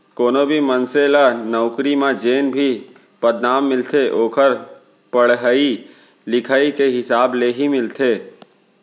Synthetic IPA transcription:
koːnobʱimənselanɔʊkɾimãd͡ʒeːnbʱi | pəd̪naːmːɪlt̪ʰeʔoːkʰəɾ | pəɽɦəi | lɪkʰaːikeɦɪsaːbleɦimɪlt̪ʰeː

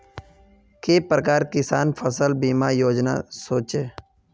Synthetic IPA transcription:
keːpɾəkaːɾkɪsaːnfʰəsəlbiːmaːjoːd͡ʒna̰soːt͡ʃeː

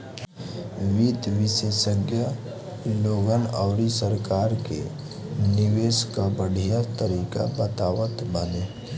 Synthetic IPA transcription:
ʋid̪ʋɪsesəɡja | loːɡənɔːɾisəɾkaːɾkḛ | nɪʋeːskabəɽ̤ʱijat̪əɾiːka̰bət̪aːwət̪bəne

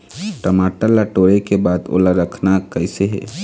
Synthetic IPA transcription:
ʈəmaːʈəlaʈoːɽekebaːd̪o̰ːlaɾəkʰnakəɪseɦɛ̰ː

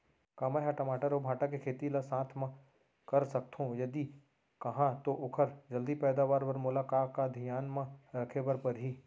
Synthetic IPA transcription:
kaːmaɦaʈomaːʈəɾobʱaːʈakekʰeːt̪ilasãːt̪ʰmã | kɐɾsɐk̚t̪ʰõjɐd̪i | kɐɦãt̪oʔʊkʰəɾd͡ʒɐld̪ipɛːd̪aːʋaːɾwɐɾmʊlaːkaːkkad̪ʱɪjaːnmãɾɐkʰebəɾpɐɾɦiː

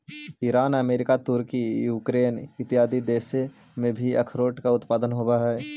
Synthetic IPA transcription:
iːɾaːnəmeːɾɪkat̪ʊɾkijuːkɾeːnɪt̪ɪɦaːd̪id̪eːse | mẽbʱiɐ̰kʰɾoːʈkaʊt̪paːd̪ənɦoːwaɦɛː

